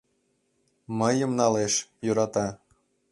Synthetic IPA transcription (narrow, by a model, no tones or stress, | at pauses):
mɤjə̆mnɑleʃjuɾɑt̪ɑ